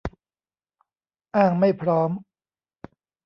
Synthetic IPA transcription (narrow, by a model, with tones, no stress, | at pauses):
ʔaː˥˩ŋma˥˩jpʰɾɔː˦˥m